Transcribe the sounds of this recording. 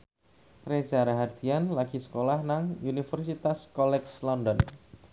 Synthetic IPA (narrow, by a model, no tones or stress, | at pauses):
re̥d͡ʒaɾaɦad̪̥i̤anlaɡ̥i̤sə̥kolahnaŋunifərsit̪askɔlɛkslɔndɔn